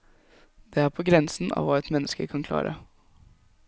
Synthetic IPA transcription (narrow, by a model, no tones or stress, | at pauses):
d̪̥ɛæːɾpʰoːɡɾɛnsn̩ʔɑ̰ːʋɑːɛt̪mɛnːəskəkʰɑnkʰlɑ̰ːɾʔə̰